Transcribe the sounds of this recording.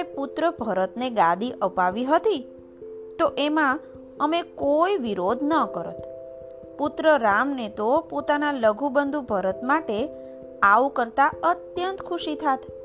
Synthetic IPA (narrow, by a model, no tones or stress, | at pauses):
eput̪ɾəbʱəɾət̪neɡãd̪iʔəpaʋiɦət̪i | t̪oʔemã | əmekoiʋiɾod̪ʱnəkəɾə̰t̪ | put̪ɾəɾamnet̪opot̪analəɡʱubənd̪ʱubʱəɾət̪maʈe | aʋkəɾt̪aət̪jənt̪kʰuʃit̪ʰat̪